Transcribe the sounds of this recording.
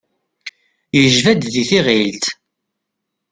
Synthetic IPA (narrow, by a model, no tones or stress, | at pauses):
jəʒvæd̪ðiθiʁilt̪